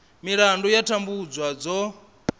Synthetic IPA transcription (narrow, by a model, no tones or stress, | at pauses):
miɺandɔjatʰambud͡zwad͡zɔ